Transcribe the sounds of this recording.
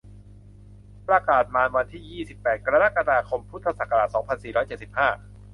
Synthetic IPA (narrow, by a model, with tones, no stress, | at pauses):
pɾa˧kaː˨˩t̪̚maː˧nwa˧nt̪ʰiː˥˩jiː˥˩si˨˩pːɛː˨˩t̪̚kɾa˧ɾa˦˥˩ka˧ɾaː˧kʰo˧mpʰu˦˥t̪ʰːa˧sa˨˩kʰːa˧ɾaː˨˩t̪̚sɔː˩˦ŋpʰa˧nsiː˨˩ɾɔː˦˥jt͡ɕe˨˩si˨˩p̚haː˥˩